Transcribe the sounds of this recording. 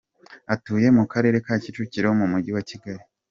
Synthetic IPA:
atuːje̞mukaɾe̞ːɾe̞kaːcit͡ʃuciɾehomumuɟiwaciɡaɾi

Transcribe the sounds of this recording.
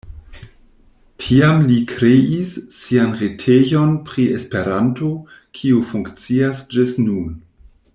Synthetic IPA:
tʰiamlikʰɾeisːianʁetʰejo̞npɾiespeɾanto | kʰiufuŋkt͡siasd͡ʒɪstnun

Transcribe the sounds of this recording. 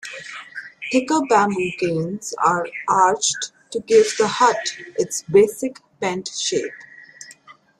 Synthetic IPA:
hɪkəbæmũkẽːnzaːɾʔaːɾd͡ʒɖʈuɡɪʋd̪əhʌʈʔɪʈsbeːsɪkpɛ̃nʈʃeːp

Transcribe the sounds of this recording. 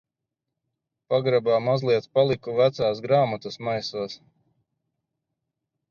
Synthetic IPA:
paɡɾabaːmazlˠiɛt̪spalˠikuvæt̪saːsɡɾaːmat̪usmajsuɔs

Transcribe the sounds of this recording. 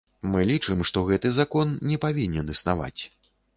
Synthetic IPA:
mɨlʲit͡ʂɨmʂt̪ɔɣɛt̪ɨzakɔnnʲɛpavʲinʲɛnɨsna̰va̰t͡sʲ

